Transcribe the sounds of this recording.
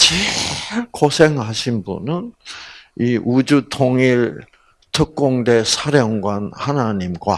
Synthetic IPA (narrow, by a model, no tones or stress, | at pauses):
t͡ɕi | kosʰeŋhaɕʰinbṵnɯn | iʔud͡ʑutʰoŋiɭ | tʰɯk̚k͈oŋde̞sʰaɾjʌŋɡwanhanaɲimɡwa